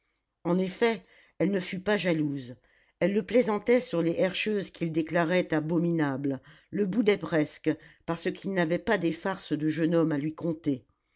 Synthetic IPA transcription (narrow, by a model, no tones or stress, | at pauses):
ɑ̃nefɛ | ɛlnəfypaʒaluz | ɛlːəplezɑ̃t̪ɛsyʁleʔɛʁʃøzkʰʲild̪eklaʁɛt̪abɔminabl | ləbud̪ɛpχɛskpaʁsəkʰilnavɛpad̪efaʁsd̪əʒənɔmalɥikɔ̃t̪e